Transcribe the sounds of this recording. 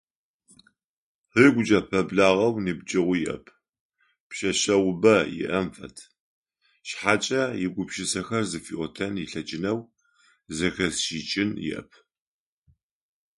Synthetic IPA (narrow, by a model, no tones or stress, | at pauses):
hiɡʷʊt͡ʃʼɐpʰɐbɮaːʁɐwnibd͡ʒɐʁʷʊjɪʔɐ̰pʰ | pʃɐɕɐwʊbɐjɪ̰ʔɐmfɐ̰tʰ | ʃħaːt͡ʃʼɐjɪɡʷʊpʃɪsɐxɐrzɨfiʔotʰɐnjɪɬɐt͡ʃʼɪnɐw | zɨxɐsʃiːt͡ʃʼɪnjɪ̰ʔɐ̰pʰ